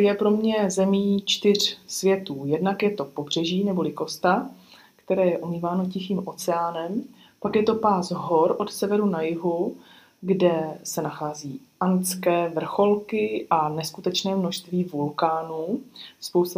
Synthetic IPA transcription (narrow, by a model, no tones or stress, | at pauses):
jɛpɾo̞mɲɛzɛmiːt͡ʃt̪ɪr̝̥svjɛt̪uːjɛdnakjɛt̪o̞po̞br̝̥ɛʒiːnɛbo̞lɪko̞st̪a | kt̪ɛɾɛːjɛʔomiːvaːno̞cɪxiːmʔo̞t͡sɛaːnɛm | pakjɛt̪o̞paːzɦo̞ɾʔo̞t̪sɛvɛɾunajɪɦu | ɡdɛsɛnaxaːziː | ʔant͡skɛːvr̩xo̞lkɪʔanɛskut̪ɛt͡ʃnɛːmnoʃst̪viːvulkaːnuːspowst̪